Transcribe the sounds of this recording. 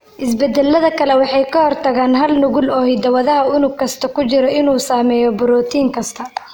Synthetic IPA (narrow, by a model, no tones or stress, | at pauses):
ʔɪsbɛd̪ɛlːɐðɐkʰɐlɛwɑħɑjkʰɐhɔrt̪ʰɐɣaːnɦɐlnʊɣʊlɔːhɪd̪ɐwɐðɐɦɐʊnʊkʰɐst̪ʰɐkʊt͡ʃɪɾɔɪnuːsaːmɛːjɔbʊɾɔːt̪ʰiːŋkʰɐst̪ʰɐ